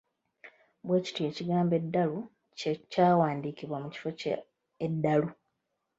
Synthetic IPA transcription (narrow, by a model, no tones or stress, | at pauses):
bwe̞ːci̥tue̞ːciɡaːmbe̞dːalu | cecaːwaːndiːkiβwamuci̥fo̞ | edːalu